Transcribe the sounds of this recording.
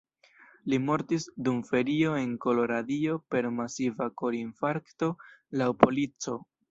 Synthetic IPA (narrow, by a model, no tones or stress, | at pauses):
limo̞ɾtisdumfe̞ɾio̞e̞ŋko̞lo̞ɾadio̞pe̞ɾmasivako̞ɾinfaɾkto̞lawpo̞lit͡so̞